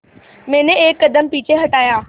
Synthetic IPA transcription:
mẽːneeːkːɐd̪əmpiːt͡ɕeɦɐʈaːjãː

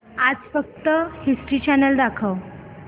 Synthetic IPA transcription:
ad͡zfək̚t̪əhisʈɾiːt͡ɕanəld̪akʰəʋ

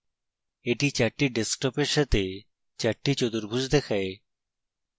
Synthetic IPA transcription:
eʈit͡ɕaʈːiɖesk̚ʈɔpeɾʃat̪ʰe | t͡ɕaʈːit͡ɕod̪uɾbʱud͡ʑd̪ɛkʰae

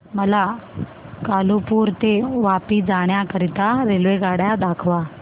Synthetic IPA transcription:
məla | kalupuːɾt̪eʋapiːd͡zaɽ̃jakəɾit̪aɾelʋeɡaɽjad̪akʰʋa

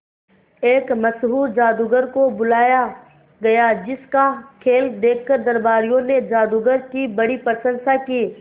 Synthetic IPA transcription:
eːkmɐsɦuːɾd͡ʒaːd̪uɡəɾkobʊlaːja | ɡɐjad͡ʒɪskakʰeːld̪eːkʰkəɾd̪ɐɾbaːɾijõned͡ʒaːd̪uːɡəɾkibɐɽipəɾsə̃nsakiː

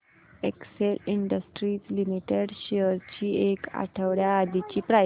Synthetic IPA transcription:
ekseliɳɖəsʈɾiːt͡slimiʈeɽɕeəɾt͡ɕiːeka̰ʈʰəʋɭjaːd̪it͡ɕiːpɾa

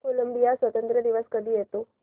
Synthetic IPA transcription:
koləmbijasʋət̪ənt̪ɾəd̪iʋəskəd̪iɦet̪ũ

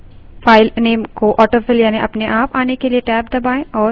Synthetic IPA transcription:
faːɪlneːmkoʔɔːʈəfɪljaːniʔɐpneʔaːpaːnekelieʈɛːb̚d̪ɐbaːẽɔːɾ

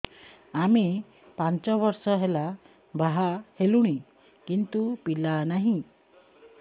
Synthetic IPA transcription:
ami | paɲt͡ɕɔʋɔɾsɔɦela | bʱaɦaheluɽ̃i | kint̪upilanaɦĩ

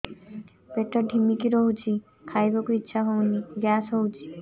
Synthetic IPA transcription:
peʈːɔɖʱimːikiɾoɦut͡ɕʰi | kʰajbokuitːɕʰaɦowniɡasɦowt͡ɕʰi

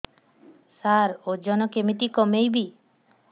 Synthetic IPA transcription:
saɾod͡ʒɔnɔkemit̪ikɔmejbi

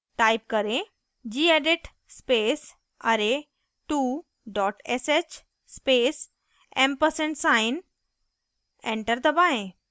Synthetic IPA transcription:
ʈaːjp̚kəɾẽ | d͡ʑiːeɖiʈ | speːs | ɐɾe | ʈuː | ɖɔːʈɛset͡ʃ | speːs | ẽmpəɾsẽɳʈsaɪn | ẽɳʈəɾd̪əbaːɦẽ

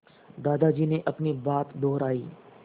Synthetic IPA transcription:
d̪aːd̪ad͡ʒiːneʔɐpnibaːt̪d̪ɔːɾaːiː

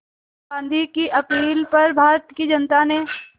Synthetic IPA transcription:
bãːnd̪ʱikiʔɐkiːlpɐɾbʱaːɾt̪kid͡ʒɐnt̪ane

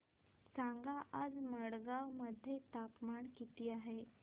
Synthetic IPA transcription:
saŋɡaʔad͡zməɽɡawməd̪ʱjet̪apmaɳkit̪iːaɦe

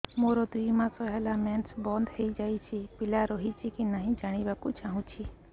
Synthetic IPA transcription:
moːɾod̪ʊiːmãːsɔɦɛlamɛːnsbɔ̃ːnd̪heid͡ʒaːit͡ʃʰipɪlaɾoːɦit͡ʃʰikinaːɦĩd͡ʒaːɽ̃ibakʊt͡ʃʰaːɦũt͡ʃʰi

